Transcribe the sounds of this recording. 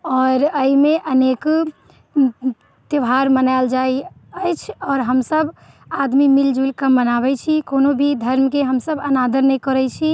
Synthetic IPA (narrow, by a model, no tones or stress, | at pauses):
ɔːɾəimeʔənek | t̪əʋɦaɾmənaɪld͡ʒai | əjt͡ʃʰɔːɾɦəmsəb | ad̪mimild͡ʒulkəmːənaβɛt͡ʃʰikonobʱid̪ʱəɾmkeɦəmsəbənad̪əɾnɛkɔɾɛt͡ʃʰi